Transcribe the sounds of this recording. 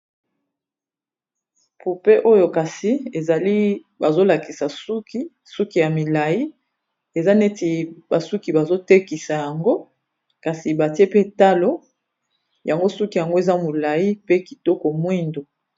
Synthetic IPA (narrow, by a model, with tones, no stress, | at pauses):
pu˨pe˦ʔo˦jo˨ka˨si˨e˨za˨li˦ | ba˨zo˦la˨ki˨sa˨su˦ki˦ | su˦ki˨ja˨mi˨la˨ji˦ | e˨za˦ne˦ti˨ba˨su˦ki˨ba˨zo˦te˦ki˨sa˨ja˨ŋɡo˦ | ka˨si˨ba˨ti˦e˦pe˦ta˦lo˦ | ja˨ŋɡo˦su˦ki˨ja˨ŋɡo˦e˨za˦mo˨la˨ji˦pe˦ki˨tɔ˦ko˨mwi˦ndo˨